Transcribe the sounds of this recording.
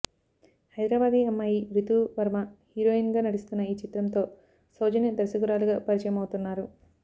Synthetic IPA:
hɐjd̪ɾaːbaːd̪iɐmːaːjiɾit̪uʋɐɾmɐhiːɾoːinɡaːnɐɽist̪unːɐiːt͡ʃit̪ɾɐnt̪o̞ː | soːd͡ʒɐnɐd̪ɐɾsɐɡuɾaːluɡaːpɐɾit͡ʃɐjɐmɐwut̪unːaːɾu

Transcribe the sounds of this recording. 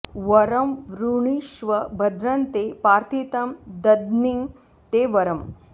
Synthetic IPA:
ʋɐɾɐmʋɾuɳiʃʋɐbʱɐd̪ɾɐnt̪eːpaːɾt̪ʰit̪ɐmd̪ɐd̪niŋ | t̪eːʋɐɾɐm

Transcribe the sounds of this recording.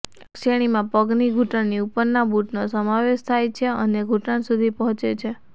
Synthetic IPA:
kʃeɽ̃imãpəɡniɡʱuʈəɳniupəɾnabuʈnosəmãʋeʃt̪ʰajt͡ʃʰeə̰neɡʱuʈənsud̪ʱipəɦɔ̃t͡ʃet͡ʃʰe

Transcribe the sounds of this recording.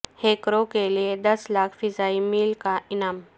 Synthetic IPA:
heːkɾokelied̪əslaːkʰfɪzaːimiːlkaʔɪnaːm

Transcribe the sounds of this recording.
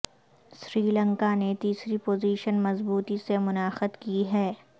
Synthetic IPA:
sɾiːlə̃ŋkanet̪iːsɾipoːziːʃənmɐzbuːt̪isemʊnaːxəd̪kiɦɛː

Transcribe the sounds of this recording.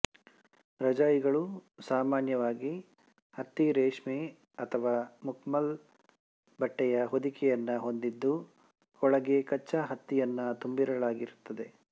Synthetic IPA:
ɾɐd͡ʒaːjiɡɐɭusaːmaːnjɐʋaːɡi | hɐt̪ːiɾeːʂme | ɐt̪ʰɐʋaːmukmɐl | bɐʈːɛjɐɦod̪ikʰɛjɐnːɐɦo̞nd̪id̪ːu | ɔɭɐɡe̞kɐt͡ʃːɐɦɐt̪ːijɐnːɐt̪umbiɾɐɭaːɡiɾut̪ːɐd̪e̞

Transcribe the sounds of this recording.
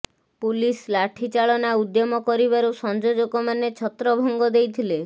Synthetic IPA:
pulislaʈʰit͡ʃaɭɔnaud̪jɔmɔkɔɾiβaɾusɔnd͡ʒod͡ʒokɔmanet͡ʃʰɔt̪ɾɔbʱɔŋɡɔd̪ejt̪ʰile

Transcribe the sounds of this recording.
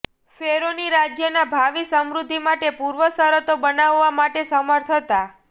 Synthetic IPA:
feɾoniɾad͡ʒjənabʱaʋisəmɾud̪ʱːimaʈepuɾʋəsəɾət̪obənaʋːamaʈesəməɾt̪ʰət̪a

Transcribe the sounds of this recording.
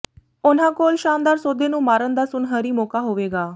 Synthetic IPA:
ʊnãːkoːlʃaːmd̪aːɾsoːd̪eːnũːmaːɾənd̪aːsʊnɦəːɾiːmoːkaːɦoːʋeːɡaː

